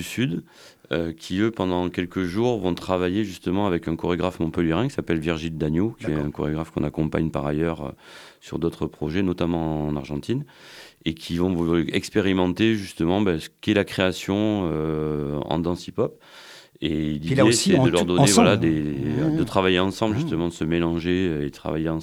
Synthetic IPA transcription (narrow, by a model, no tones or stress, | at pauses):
ysyd̪ | økʲʰiøpɑ̃d̪ɑ̃kʲɛlkəʒuʁvɔ̃t̪χavajeʒyst̪əmɑ̃avɛkɛ̃kɔʁeɡʁafmɔ̃pəljeʁɛ̃kʲi̥sapɛlviʁʒild̪anjokʰʲiɛɛ̃kɔʁeɡʁafkɔ̃nakɔ̃pa̰ɲpa̰ʁajœʁø̰syʁd̪ot̪χəpχɔʒɛnɔt̪amɑ̃naʁʒɑ̃t̪inekʲʰivɔ̃vɛkspeʁimɑ̃t̪eʒyst̪əmɑ̃bɛsə̥kɛlakχeasjɔ̃ø | ɑ̰̃d̪ɑ̃sipɔp | elid̪esɛəlœʁd̪ɔevwwalad̪ed̪ət̪χavajeɑ̃sɑ̃bləʒyst̪əmɑ̃d̪əsəmelɑ̃ʒeed̪ət̪χa̰vajeɑ̃